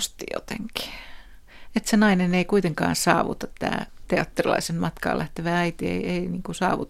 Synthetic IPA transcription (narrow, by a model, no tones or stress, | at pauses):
st̪ijo̰t̪ḛŋki̥ | et̪senɑineneikuit̪eŋkɑ̰ːnsɑ̰ːʋṵt̪ɑt̪tːæ̰ːt̪eɑt̪ːerilɑ̰isenmɑt̪kɑ̰ːlʔæht̪eʋææit̪iḛieiniːŋkusɑ̰ːʋut̪